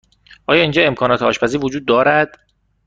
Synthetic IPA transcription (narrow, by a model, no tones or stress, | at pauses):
ʔɒːjɒːind͡ʒɒːe̞mkʰɒːnɒːt̪ʰeɒːʃpæziːɾvod͡ʒuːd̪̚ːɒːɾæd̪̥